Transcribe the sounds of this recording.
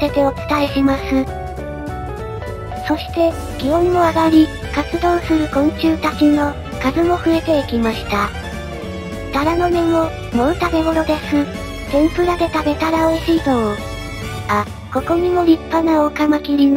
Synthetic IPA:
t̪e̞t̪e̞ot͡sɨ̥t̪aeɕimasɨ | so̞ɕi̥t̪e̞ | ɡ̥ʲiõ̞mːo̞aɡaɾʲi | kat͡sɨd̪õ̞ːsɨɾɯ̟kõ̞ɲ̟̃t͡ɕɨːt̪akʲino̞ | kazɨmo̞ɸɯ̟e̞t̪e̞ikʲimaɕi̥t̪a | t̪aɾano̞me̞mo̞ | mo̞ɾɯ̟t̪abe̞ɡo̞ɾo̞d̪e̞sɨ | t̪ẽ̞mpɯ̟ɾad̪e̞t̪abe̞t̪aɾaoiɕiːd̪o | a | ko̞ko̞ɲ̟imo̞ɾʲipːanaoɯkamakʲiɾʲi

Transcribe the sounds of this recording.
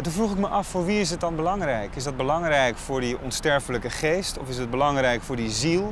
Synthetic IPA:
tunvruχɪkməʔɑfːʊːɹʋiɪs̬ɦət̚dɑnbəlɑŋrɛjkɪzdɑd̚bəlɑŋrɛjkfʊːɹdiɔnstɛɹfələkəχejstɔfɪsəd̚bəlɑŋrɛjkfʊːɹdizilˠ

